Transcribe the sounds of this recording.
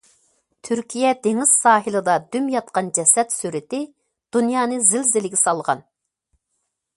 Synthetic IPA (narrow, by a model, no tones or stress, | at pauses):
t̪ʰyɾkʲʰijɛd̪eŋɪz̥sɑːɦɨlˠɨd̪ɑd̪ymjɑt̪̚qɑnd͡ʒɛsɛt̪syɾɪt̪ɪ | d̪̥unjɑːnɨzɪlzɪlɪɡʲɛsɑlˠʁɑ̰n